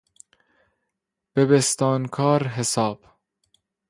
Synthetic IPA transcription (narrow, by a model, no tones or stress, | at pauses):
b̥ebest̪ɒːnkʰɒːɾɦesɒːb̥